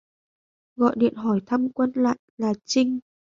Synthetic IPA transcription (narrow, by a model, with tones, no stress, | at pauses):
ɣɔ̰˧˨jɗḭ˧˨ənɦɔ˧˩jt̪ʰa˧mkwə˧nla̰ː˧˨jlaː˨˩t͡ɕï˧ŋ̟